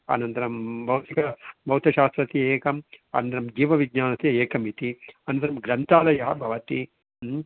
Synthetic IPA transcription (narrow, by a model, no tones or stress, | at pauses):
ɐ̰nɐnt̪ɐɾɐmbʱɐwt̪ikɐbʱɐwt̪ɐʃaːst̪ɾɐt̪ieːkɐmɐ̰nɐnt̪ɐɾɐmd͡ʒiːʋɐʋiɡɲaːnɐt̪ieːkɐmit̪iɐnɐnt̪ɐɾɐmɡɾɐnt̪aːlɐjɐɦɐbʱɐʋɐt̪i